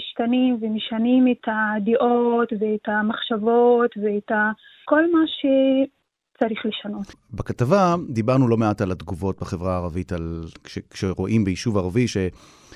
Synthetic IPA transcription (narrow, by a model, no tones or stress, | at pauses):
ʃtanimvemeʃanimetʰadiʔotveetamaχʃavo̞tveeta | ko̞lmaʃe | t͡saɾiχleʃano̞t | bekatavad̪ibaʁnulomeatalatɡuvo̞t̚beχevʁaːʁavitalʃekʃeʁo̞ʔimbejiʃuvaʁaviʃe